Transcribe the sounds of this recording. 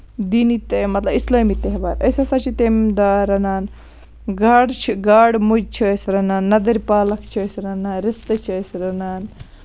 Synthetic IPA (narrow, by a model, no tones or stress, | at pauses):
d̪iːnit̪emɐt̪lɐbislɐːmit̪eɦbaːɾɐjsɐsat͡ʃʰit̪emd̪aːɾɐnaːn | ɡaːɽt͡ʃʰiɡaːɽmud͡ʒt͡ʃʰiəjsɾɐnaːnːɐd̪ɐɾpaːlɐkt͡ʃʰiɐjsɾɐnaːnɾɪst̪ɐt͡ʃʰiəjsɾɐnaːn